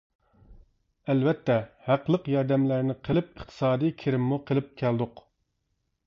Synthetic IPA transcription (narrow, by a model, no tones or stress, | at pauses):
ælvɛt̪ːɛhæqlˠəqjɑɾd̪ɛmlæɾnɪqʰəlˠɪp̚əχt̪ʰɨ̥sɑːd̪ikʲʰeɾɪmːuqʰəlˠɪp̚kʲʰæld̪ʊq